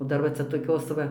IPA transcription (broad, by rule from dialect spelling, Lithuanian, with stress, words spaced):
oː ˈdɐr ʋɐ ˈt͡sʲɛ toːˈkʲoːs ʋɐ